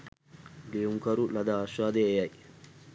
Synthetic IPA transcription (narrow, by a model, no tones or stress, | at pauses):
ɡeuŋkɐɾulɐd̪aːʃːaːd̪eːjɐj